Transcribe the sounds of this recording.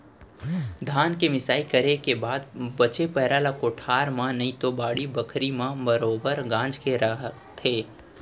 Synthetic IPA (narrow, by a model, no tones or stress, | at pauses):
d̪ʱaːnkemɪsaːikɐɾekebaːd̪bɐt͡ʃepɛɦɾaːlakoːʈʰaːɾmãnɐɦĩt̪obaːɽibɐkʰɾimãbɐɾoːbəɾɡãːd͡ʒkeɾɐɦət̪ʰːeː